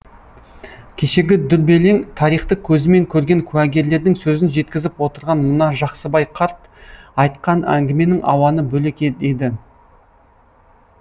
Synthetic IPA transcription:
kʲʰe̞ʃe̞ɡʲɪd̪ʏɾbe̞le̞ŋt̪ʰɑɾijχt̪əkʲʰɵzɪme̞ŋkʲʰɵɾɡʲe̞ŋkʲʰʉæɡʲe̞ɾle̞ɾd̪ɪŋsɵzɪnʒe̞t̪kʲɪzɪpwo̞t̪əɾʁɑnmʊnɑʒɑqsəbɑjqʰɑɾt̪ | ɑjt̪qɑnæ̰ŋɡʲɪme̞nɪŋʔɑ̰wɑnəbɵle̞kʲed̪ed̪ɪ

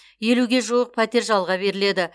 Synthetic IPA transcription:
je̞luɡʲe̞ʒuwəq̚pʰæt̪e̞ɾʒɑlˠʁɑbe̞ɾɪle̞d̪ɪ

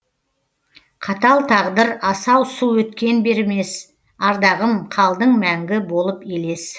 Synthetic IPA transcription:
qʰɑt̪ɑlˠt̪ʰɑʁd̪əɾɑsɑwsuwɵt̪kʲe̞nbe̞ɾme̞s | ɑɾd̪ɑʁəmqʰɑlˠd̪əɴmæŋɡʲɪbo̞lˠəpele̞s

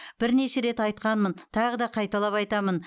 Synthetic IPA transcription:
b̥ɪɾne̞ʃe̞ɾe̞t̪ɑjt̪̚qɑnmənt̪ʰɑʁəd̪ɑqʰɑjt̪ɑlˠɑpɑjt̪ɑmən

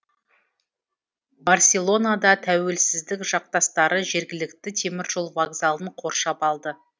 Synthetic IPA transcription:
barsʲe̞lˠo̞nad̪ɑt̪ʰæwe̞lsɪzd̪ɪkʒɑq̚t̪ɑst̪ɑɾəʒe̞ɾɡʲɪlɪkt̪ɪt̪ʰe̞mɪɾʒo̞lˠvaɡzalˠəɴqʰo̞ɾʃɑpɑlˠd̪ə

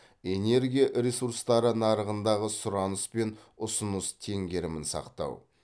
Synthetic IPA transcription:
e̞ne̞ɾɡʲijaʔɾʲesuɾst̪ɑɾənɑɾəʁənd̪ɑʁəsʊɾɑnəspe̞n | ʊsʊnəst̪ʰe̞ŋɡʲe̞ɾɪmɪnsɑ̰qt̪ɑ̰w

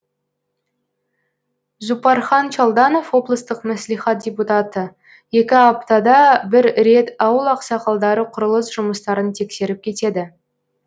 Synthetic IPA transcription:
zupɑɾχɑnt͡ʃɑlˠd̪ɑno̞fwo̞blˠəst̪əqmæslijχɑt̪̚dʲe̞put̪ɑt̪ə | je̞kʲɪɑp̚t̪ɑd̪ɑbɪɾɾe̞t̪ɑwəlˠɑqsɑqʰɑlˠd̪ɑɾəqʰʊɾəlˠəsʒʊməst̪ɑɾənt̪ʰe̞kse̞ɾɪp̚kʲʰe̞t̪e̞d̪ɪ

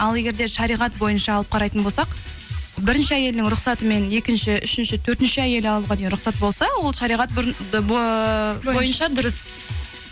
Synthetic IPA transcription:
ɑlˠe̞ɡʲe̞ɾd̪e̞ʃɑɾijʁɑt̪bo̞jənʃɑːlˠəp̚qʰɑɾɑjt̪ənbo̞lˠsɑq | bɪɾɪnʃɪæje̞lnɪŋɾʊqsɑt̪əme̞ne̞kʲɪnʃɪʔʏʃɪnʃɪt̪ʰɵɾt̪ɪnʃɪæje̞lɪɑllˠuʁɑd̪ejnɾʊqsɑt̪̚bo̞lˠsɑwo̞lˠʃɑɾiʁɑt̪̚ | bjo̞jənʃɑd̪ʊɾəs

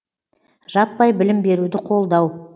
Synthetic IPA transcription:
ʒɑpːɑjbɪlɪmbe̞ɾud̪ɪqʰo̞lˠd̪ɑw

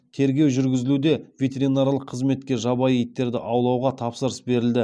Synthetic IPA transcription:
t̪ʰe̞ɾɡʲe̞wʒʏɾɡʲɪzɪlud̪e̞vʲet̪e̞ɾinaɾlˠəqʰːəzme̞t̪̚kʲe̞ʒɑbɑjejt̪ːe̞ɾd̪ɪ̰ʔɑwlˠɑwʁɑt̪ʰɑpsəɾəsbe̞ɾɪld̪ɪ

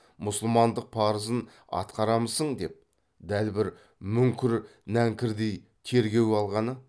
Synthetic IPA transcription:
mʊsəlˠmɑnd̪əq̚pʰɑɾəzən | ɑ̰t̪qɑɾɑməzsəɴd̪e̞p̚ | d̪ælbɪɾ | mʏŋkʲɪɾnæŋkʲɪɾd̪ej | t̪ʰe̞ɾɡʲe̞wɑlˠʁɑnə

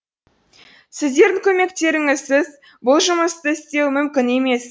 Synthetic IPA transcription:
sɪzd̪e̞ɾd̪ɪŋkʲʰɵme̞k̚t̪e̞ɾɪŋɪzsɪz | bʊlˠʒʊməst̪əɪst̪e̞wmʏmkʲɪne̞me̞s

